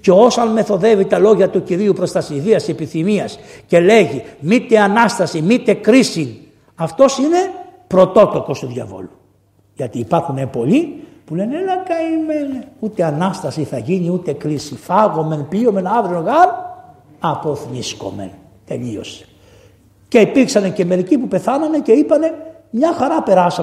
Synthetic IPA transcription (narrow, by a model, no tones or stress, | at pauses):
ce̞o̞sɐnme̞θo̞ðe̞vit̪ɐlo̞ʝɐt̪uciɾiupɾo̞st̪ɐsiðiɐsepiθimiɐsce̞le̞ʝimit̪e̞ɐnɐst̪ɐsimit̪e̞kɾisin | ɐft̪o̞sine̞pɾo̞t̪o̞klo̞ko̞st̪uðʝɐ̰vo̞̰lu | ʝɐt̪iːpɐɾxune̞po̞lipule̞nelɐkɐimeneut̪e̞ɐnɐst̪ɐsiθɐʝiniut̪e̞kɾisifɐɣo̞me̞npio̞me̞nɐvɾioɣɐɾ | ɐpo̞θnisko̞̰me̞̰n | t̪e̞ʎio̞̰se̥ | ce̞ipiɾksɐnece̞me̞ɾicipupe̞θɐnɐne̞ce̞ipɐne̞ | mɲɐxɐɾɐpe̞ɾɐsɐ